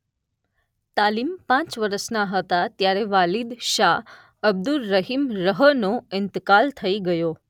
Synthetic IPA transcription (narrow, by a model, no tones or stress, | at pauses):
t̪alimpãt͡ʃʋəɾəsnaɦət̪at̪jaɾeʋalid̪ʃa | əb̚d̪ulːəɦimɾəɦənoɪnt̪kalt̪ʰəiɡəjo